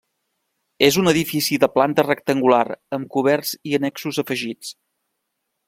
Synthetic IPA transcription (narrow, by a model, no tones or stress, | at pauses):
ezunəðifisiðəplant̪ərək̚t̪əŋɡula̰ɾəmkuβ̞ɛrziənɛksuzəfəʒit͡s